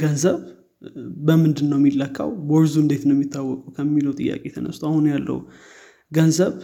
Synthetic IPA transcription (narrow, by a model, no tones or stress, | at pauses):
ɡənzəβ | bəmɨnd̪ɨnːəwmːilːəkʼːa̰wbɔɾzuɨnd̪e̞t̪nəwmːit̪ʰːawːɔkʼuwkʰəmːiləwt̪ʼɨjːa̰kʼet̪ʰənə̰st̪ʰahunjalːə̰hu | ɡənzəβ